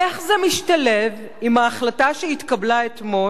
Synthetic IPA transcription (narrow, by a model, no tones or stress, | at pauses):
eχzemiʃtalev | imhaːχlataʃeit̪kablaetmo̞